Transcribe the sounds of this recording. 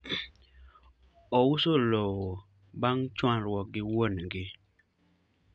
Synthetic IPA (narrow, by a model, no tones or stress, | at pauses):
ɔwusolowɔ | baŋt͡ʃwãnɾwɔɡɪwonɡɪ